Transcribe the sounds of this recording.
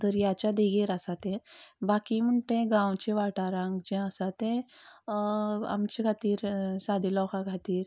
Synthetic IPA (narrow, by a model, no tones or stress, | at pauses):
t̪əɾjat͡ɕad̪eɡeɾasat̪ẽbakim̤əɳʈẽɡãwt͡ɕeʋaʈaɾãŋkd͡ʑɛ̃əsat̪ẽ | a̰mt͡ɕekʰat̪iːɾsad̪ʱilɔkakʰat̪iːɾ